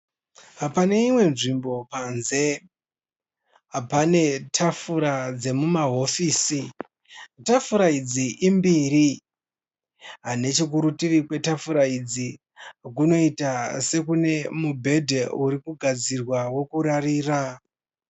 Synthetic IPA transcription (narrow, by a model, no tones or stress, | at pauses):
ɦapane̞imwe̞nʐimbo̞panze̞ | ɦapane̞tʰafuɾad͡ze̞mumaɦo̞fiːsi | tafuɾaid͡ziʔimbiɾi | ɦane̞t͡ʃik̬uɾutirikwe̞tafuɾaid͡zi | k̬uno̞itase̞kune̞mubʱe̞dʱeuɾikuɡʱad͡zirwawo̞kuɾariːra